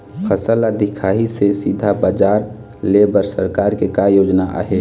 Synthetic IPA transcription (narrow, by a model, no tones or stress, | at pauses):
pʰəsəlad̪ɪkʰaːɦisesid̪ʱabaːd͡ʒaːɾ | lebəɾsəɾkaːɾkekajoːd͡ʒnaʔa̰ɦe